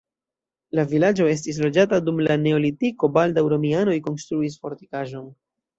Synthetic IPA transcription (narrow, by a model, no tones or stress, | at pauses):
lavilad͡ʒo̞e̞s̬tis̬lo̞d͡ʒatadumlane̞o̞litiko̞baldawɾo̞miano̞jko̞nstɾuis̬fo̞ɾti̥kaʒo̞n